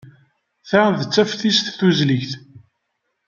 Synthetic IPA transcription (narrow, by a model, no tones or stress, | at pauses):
θæðət͡sːæfθisθθuzliçθ